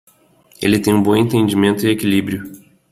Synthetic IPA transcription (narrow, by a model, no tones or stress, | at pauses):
ḛlɪt̪ẽj̃ũbõẽnt̪ẽnd͡ʒimẽnt̪ʊɪekilibɾjʊ